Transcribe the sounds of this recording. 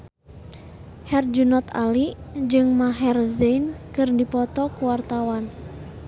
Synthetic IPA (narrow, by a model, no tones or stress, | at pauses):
hɛrd͡ʒunɔt̪a̰lid͡ʒɨŋmaɦɛrzeinkɨrdipɔt̪ɔkuwart̪awan